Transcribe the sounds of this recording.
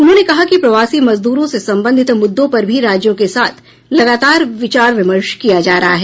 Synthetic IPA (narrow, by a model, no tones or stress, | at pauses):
ʊnɦõːnekɐɦakipɾɐʋaːsimɐzd̪uːɾõsesɐ̃mbə̃nd̪ʱɪt̪mʊd̪ːõpɐɾbʱiɾaːd͡ʒjõkesaːt̪ʰ | lɐɡaːt̪aːɾʋɪt͡ʃaːɾʋɪməɾʃkijad͡ʒaːɾɐɦaɦɛː